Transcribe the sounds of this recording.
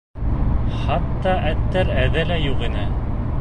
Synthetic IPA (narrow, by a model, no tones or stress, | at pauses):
χɑt̪ːɑʔæt̪ːæɾæðɘlæjuqinɘ